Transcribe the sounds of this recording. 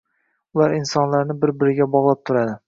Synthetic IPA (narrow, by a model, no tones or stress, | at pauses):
ʊlaɾɪnsɒnlaɾnɪbɪɾbɪɾɪɡʲabɒʁlˠap̚t̪ʰʊɾad̪ɪ